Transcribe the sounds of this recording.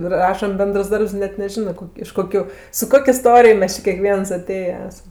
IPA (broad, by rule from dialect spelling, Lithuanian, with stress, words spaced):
ɪ ˈrɑːʃɐm ˈbʲɛndrs ˈdɐrps ɪ ˈnʲɛt nʲɛˈʒʲɪnɜ ˈkoːkʲ ɪʃ ˈkoːkʲʊ sʊ ˈkoːkʲ ɪˈstoːrʲɪj ˈmʲɛs t͡ʃʲɪ kʲeːˈkʋʲiɛɐs ɐˈtʲeːjɛ ˈæːsɐm